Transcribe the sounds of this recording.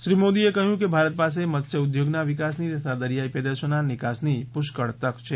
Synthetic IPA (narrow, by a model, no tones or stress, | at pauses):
ʃɾimod̪iekəɦjũkebʱaɾət̪̚pas̬emət̪ʃʰəʊd̪joɡnaʋɪkasnit̪ət̪ʰad̪əɾijaipəd̪əɾʃonanɪkasnipʊʃkəɭt̪əkt͡ʃʰe